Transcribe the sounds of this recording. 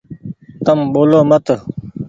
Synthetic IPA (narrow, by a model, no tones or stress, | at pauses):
t̪ɐmboːloːmɐt̪